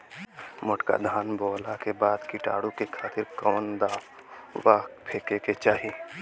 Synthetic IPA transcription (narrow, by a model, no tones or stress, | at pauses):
mʊʈka̰d̪ʱaːnbɔːlakebaːd̪kiʈa̰ːɽukekʰaːt̪ɪɾkɔːnd̪aː | ʋaːkpʰeːkeket͡ʃaːɦi